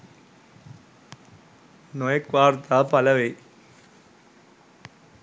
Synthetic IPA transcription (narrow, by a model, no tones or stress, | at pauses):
nojɐkʋaːɾt̪apɐlɐʋɐj